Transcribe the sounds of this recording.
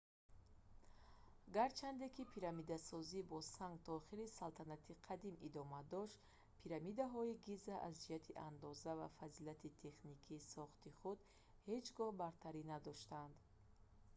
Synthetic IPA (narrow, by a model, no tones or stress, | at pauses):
ɡaɾt͡ʃʰand̪e̞kʰipʰiɾamid̪asɔzibɔsaŋɡt̪ʰɔːχiɾisalt̪ʰanat̪ʰiqʰad̪imid̪ɔmad̪ɔʃt̪ | pʰiɾamid̪aɦɔiɡizaʔazd͡ʒihat̪ʰiʔand̪ɔzavafazilat̪ʰit̪ʰe̞χnikʰiːsɔχt̪iχud̪ | he̞d͡ʒɡɔhbaɾt̪ʰaɾinad̪ɔʃt̪and̪